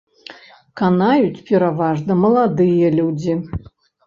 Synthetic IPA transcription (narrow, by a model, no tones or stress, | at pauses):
kanajut͡sʲpʲɛɾavaʐnɐmɐlˠad̪ɨjɐlʲud͡zʲi